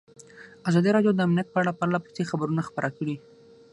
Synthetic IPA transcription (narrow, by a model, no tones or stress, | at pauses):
azɑd̪iɾɑɖjod̪əamnjat̪̚pəaɽapaɾlapə̥sexabəɾunaxpəɾʔakəɽi